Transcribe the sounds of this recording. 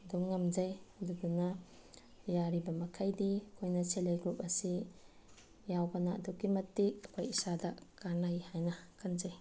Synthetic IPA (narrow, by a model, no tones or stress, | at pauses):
duŋːamd͡ʒajɐduɡunɐ | jaɾibɐmɐkʰajdikʰojnɐselejɡup̚ɐsi | jawɡana̰ːdukːimɐtːik̚ɐkʰojisadakaɾnajhajnɐkʰanzaj